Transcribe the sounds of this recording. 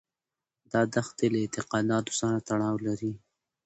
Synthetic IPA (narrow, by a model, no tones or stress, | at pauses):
d̪ɑd̪axt̪elaɪt̪ɪqɑd̪ɑt̪o̥saɾat̪aɽɑwlaɾi